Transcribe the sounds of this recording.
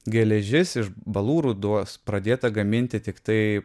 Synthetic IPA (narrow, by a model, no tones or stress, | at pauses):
ɡʲɛlʲɛʒʲɪsɪʃbɐlˠuːɾud̪uɔspɾɐd̪ʲeːt̪ɐɡɐmʲɪnʲt̪ʲɪt̪ʲɪkt̪ɐɪ